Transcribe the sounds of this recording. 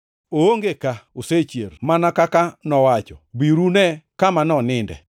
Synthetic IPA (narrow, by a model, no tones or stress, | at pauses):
ooŋɡekaoset͡ʃjermanakakanɔwat͡ʃɔbiɾunɛkamanɔnɪndɛ̰